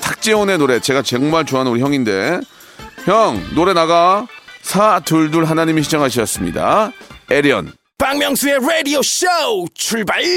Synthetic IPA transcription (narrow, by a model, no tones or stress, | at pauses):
tʰak̚t͡ɕ͈eone̞noɾe̞t͡ɕe̞ɡat͡ɕeŋmaɭt͡ɕoɦannuɾiçjʌŋinde̞ | çjʌŋnoɾe̞naɡasʰatɯɭduɭɦanaɲimiɕ̬ʰid͡ʑʌŋɦaɕʰiʌs͈ɯmɲḭda̰eɾiʌ̰n | paŋmjʌŋsʰueɾedioɕowt͡ɕʰuɭba